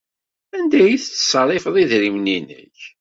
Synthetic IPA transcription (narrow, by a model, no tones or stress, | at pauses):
ænd̪æjiθθə̥sˤɑɾˤɪfəðˤiðɾimninə̰ç